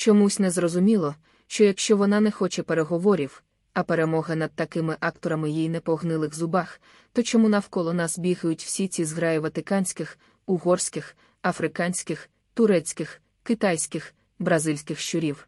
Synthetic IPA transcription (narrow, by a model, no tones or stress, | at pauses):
t͡ʃɔmusʲnɛzrɔzʊmʲilˠɔ | ʃt͡ʃɔjɐkʃt͡ʃɔʋɔnɑnɛxɔt͡ʃɛpeɾeɦɔʋɔɾʲiw | ɐpe̞ɾemɔɦɐnɐd̪̚t̪ɐkɪmɪʔɑkt̪ɔɾɐmɪjijnɛpɔɦnɪlˠɪxzʊbɑx | t̪ɔt͡ʃɔmunɐwkɔlˠɔnɑsbʲiɣɐjʊtʲw̥sʲit͡sʲizɦɾɑjɪʋɐt̪ɪkɑnʲsʲkɪx | ʊɦɔrsʲkɪx | ɐfɾɪkɑnʲsʲkɪx | t̪ʊɾɛt͡sʲkɪx | kɪt̪ɑjsʲkɪx | bɾɐzɪlʲsʲkɪxʃt͡ʃʊɾʲiw